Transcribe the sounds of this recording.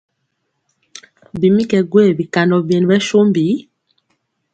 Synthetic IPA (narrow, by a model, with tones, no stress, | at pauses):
bi˨mi˦kɛ˨ɡwe˦˨bi˨ka˨ndɔ˨bje˨n˨bɛ˦ʃo˦mbi˨˦